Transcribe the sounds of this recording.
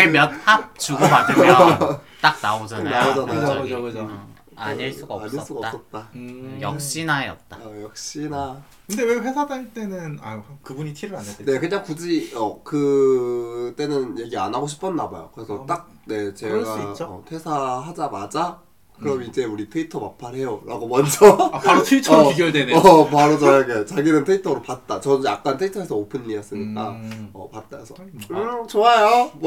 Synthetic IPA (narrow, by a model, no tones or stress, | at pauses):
eɭmjʌnhap̚t͡ɕuɡbad | t͈ak̚naod͡ʑanaaod͡ʑanajoɯd͡ʑokɯd͡ʑo | a̰ɲiɭs͈uɡaaɲis͈uɡaʌps͈ʌt̚t͈ajʌk̚ɕ͈inajʌ̰t̚t͈aʌjʌk̚ɕ͈ina | kɯnde̞weɸwe̞sʰadant͈e̞nɯna̰hkɯbuɲitʰiɾɯɾanːaene̞kɯɲaŋkud͡ʑiʌkɯ | t͈e̞nɯnje̞ɡia̰nɦaɡoɕ̬ʰi̥pʰʌnːabajo̰kɯɾe̞sʰʌtt͈ak̚ | ne̞t͡ɕe̞ɡɡat͡ɕʌ̰tʰe̞sʰaɦad͡ʑamad͡ʑa | kɯɾʌmid͡ʑe̞uɾitʰɯitʰʌmapʰanɦe̞joɾa̰ɡomʌnd͡ʑʌpaɾotʰɯitʰiɡodenpaɾod͡ʑʌjaɡet͡ɕaɡiɾɯntʰɯitʰʌɾopat̚t͈at͡ɕʌdjak̚k͈antʰɯitʰʌe̞sʰʌopʰɯnːiʌs͈ɯɲik͈aʌ̰pat̚t͈a̰esʰʌt͡ɕoajo